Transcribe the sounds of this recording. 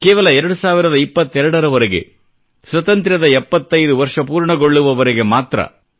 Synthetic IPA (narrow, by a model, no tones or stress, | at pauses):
keːʋɐlɐɛɾɐɽɯsaːʋɪɾɐðɐɪpːɐt̪ːɛɾɐɽɐɾɐʋɐɾɐɣɯ̰ | swɐt̪ɐnt̪ɪɾɐðɐɛpːɐt̪ːɐjðɯʋɐɾʂɐpuːɾɳɐɡɔɭːɯʋɐʋɐɾɐɣɯmaːt̪ɾɐ̰